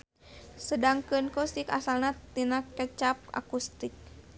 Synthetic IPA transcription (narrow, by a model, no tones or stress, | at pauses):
sədaŋkɨnkɔsikasalnat̪inakət͡ʃap̚a̰kust̪ik̚